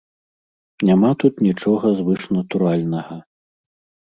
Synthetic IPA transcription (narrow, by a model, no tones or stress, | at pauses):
nʲamat̪ut̪nʲit͡ʂɔɣɐzvɨʂnɐt̪uɾalʲnɐɣɐ